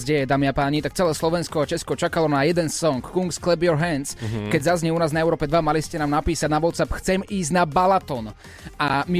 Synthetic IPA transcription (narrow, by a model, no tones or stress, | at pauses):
zɟɛjɛd̪aːmiapaːɲit̪ak̚t͡sɛlɛːslɔʋɛnskɔat͡ʃɛskɔt͡ʃakalɔnajɛd̪ɛnsɔŋkːuŋksklɛbjɔɾɦɛnskɛɟzazɲɛunaːznaɛʊɾɔːpɛd̪ʋamaliscɛnaːmnapiːsaɟnaʋɔt̪sapxt͡sɛmiːzɟnabalat̪ɔn | ʔami